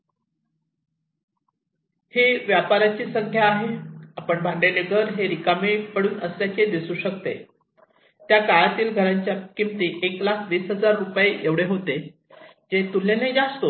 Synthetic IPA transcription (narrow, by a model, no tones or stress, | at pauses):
heʋjapaɾat͡ɕiːsəŋkʰjaːɦeapəɳbʱãɳɖeneɡəɾɦeɾikamiʈpəɽuːnəsljat͡ɕed̪isuːɕəkt̪e | t̪jakaɭat̪iːlɡʱəɾaɲt͡ɕjakimt̪iːʔeklakʰʋiːsɦəd͡zaɾːupjeeʋɽeɦot̪e | d͡ʑet̪ulːened͡zast̪o